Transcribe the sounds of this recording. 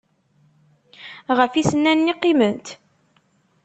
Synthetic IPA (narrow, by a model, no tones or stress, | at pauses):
ʁəfisənːænːiqːimənt̪